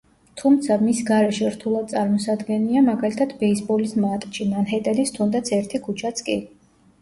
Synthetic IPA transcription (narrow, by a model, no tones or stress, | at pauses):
t̪ʰumt̪sʰamisɡaɾɛʃɛɾt̪ʰulˠad̪̥̚t̪sʼaɾmɔsad̪ɡɛniamaɡalit̪ʰat̪ʰbɛisbɔlismat̪ʼʃimanɦɛt̪ʼɛlist̪ʰumd̪at̪sʰɛɾt̪ʰikʰut͡ʃʰat̪sʰkʼi